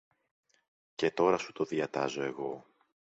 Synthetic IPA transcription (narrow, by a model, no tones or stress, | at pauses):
ce̞t̪o̞ɾɐsu̥t̪o̞ðiɐt̪ɐzo̞e̞ɣo̞